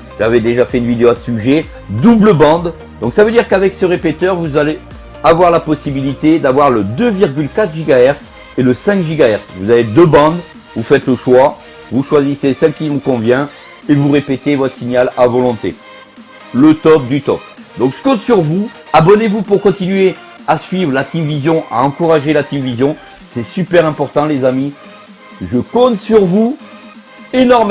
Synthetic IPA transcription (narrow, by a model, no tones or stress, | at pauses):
ʒ̥avɛd̪eʒafɛynvid̪eoassyʒe | d̪ubləbɑ̃d̪ | d̪ɔ̃ksavød̪iʁkavɛksəʁepet̪œʁvuzale | avwaʁlapɔsibilit̪ed̪avwaʁləd̪øviʁɡʲylkat̪χʒiɡaɛʁt̪s | eləsɛ̃kʒiɡaɛʁt̪svuzaved̪øbɑ̃d̪ | vufɛt̪ləʃwa | vuʃwazisesɛ̃kʲivũkɔ̃vjɛ̃ | evuʁepet̪evɔt̪χə̥siɲalavɔlɔ̃t̪ḛ | lət̪ɔp̚d̪yt̪ɔpd̪ɔ̃kskɔ̃t̪syʁvu | abɔnevupuʁkɔ̃t̪inɥe | asɥivʁəlat̪imvizjɔ̃ʔa̰ɑ̃kuʁaʒelat̪imvizjɔ̃ | sɛsypɛʁɛ̃pɔʁt̪ɑ̃lezami | ʒəkɔ̃t̪syʁvu | enɔʁm